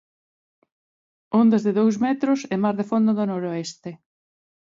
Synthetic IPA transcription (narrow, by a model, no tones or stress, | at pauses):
ond̪ɐzðeðowzmɛt̪ɾʊsɛmazðefond̪oðonoɾoɛst̪e